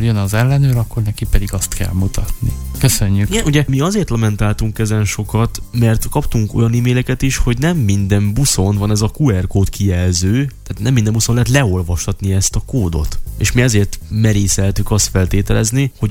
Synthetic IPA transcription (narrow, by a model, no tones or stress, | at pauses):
jønɒzɛlːɛnøːɾɒkːornɛkipɛd̪iɡɒst̪kɛ̰lmut̪ʰɒt̪nikøsøɲːykiɡɛnuɟɛmiɒzeːrt̪lɒmɛnt̪aːlt̪uŋkɛzɛnʃo̞kɒt̪mɛrt̪kɒpt̪uŋko̞̰jɒnimeːlɛkɛt̪iʃho̞ɟnɛmːind̪ɛmbuso̞nvɒnɛzɒkuɛrkoːt̪kijɛlzøːt̪aːt̪nɛmːind̪ɛmbusolɛɦɛt̪lɛo̞lvɒʃt̪ɒt̪niɛst̪ɒkoːd̪o̞̰t̪ḛːʃmiɛzeːrt̪mɛɾeːsɛlt̪ykɒst̪fɛlt̪eːt̪ɛlɛzniho̞ɟ